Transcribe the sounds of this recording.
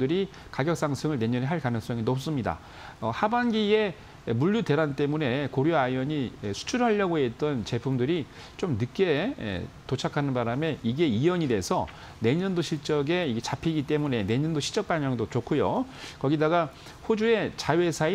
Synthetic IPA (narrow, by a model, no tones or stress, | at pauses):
dɯɾi | kaɡjʌk̚s͈aŋsʰɯŋɯɭne̞ɲʌneɦaɭkanɯŋs͈ʌŋinʌp̚s͈ɯmɲida̰ | ʌhabanɡie̞ | muʎːude̞ɾant͈e̞mune̞koɾjoajʌɲiesʰu̥t͡ɕʰuɾaʎːʌɡoɦet̚t͈ʌnt͡ɕe̞pʰumdɯɾi | t͡ɕomnɯk͈e̞̰tot͡ɕʰakʰanɯnbaɾame̞iɡe̞ijʌɲide̞sʰʌ | ne̞ɲʌndoɕʰiɭt͡ɕ͈ʌɡe̞iɡet͡ɕapʰiɡit͈e̞mune̞ne̞ɲʌndoɕʰi̥t͡ɕ͈ʌk̚p͈aɲʌŋdot͡ɕokʰujokʌɡidaɡa | ɸod͡ʑue̞t͡ɕaje̞sʰai